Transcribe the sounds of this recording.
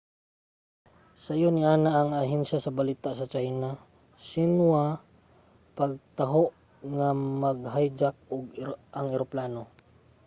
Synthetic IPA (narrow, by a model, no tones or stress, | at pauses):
sajonɪʔaːnaʔːŋaɦɛnʃasɐbalit̪aʔsɐt͡ʃajna | sɪnwa | pɐɡ̚t̪aɦoʔ | ŋamɐɡ̚ɦajd͡ʒak̚ʊɡʔɐŋɪɾoplaːno